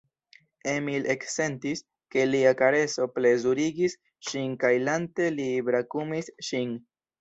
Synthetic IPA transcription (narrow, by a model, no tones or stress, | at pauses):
emilʔe̞kse̞ntis | ke̞liakaɾe̞so̞ple̞zuɾiɡis | ʃinkajlante̞libɾakumisʃin